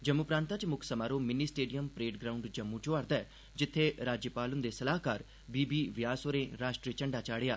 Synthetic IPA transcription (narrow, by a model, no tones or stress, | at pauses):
d͡ʒəmːupɾãːnt̪at͡ʃmʊkʰsəmaːɾoːmɪniːsʈeːɖijəmpɾeːʈɡɾaːʊɳɖd͡ʒəmːũt͡ʃoaɾd̪ɛː | d͡ʒɪt̪ʰːeɾaːd͡ʒjəpaːlʊnd̪eːsəlaːkaːɾ | biːbiːʋɪjaːsoɾẽːɾaːʃʈɾit͡ʃəɳɖaːt͡ʃaːɽeja̰ː